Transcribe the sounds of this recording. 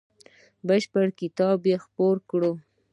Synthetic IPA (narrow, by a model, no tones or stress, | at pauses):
bəʃpəɽkɪt̪ɑbjexpoɾkɽo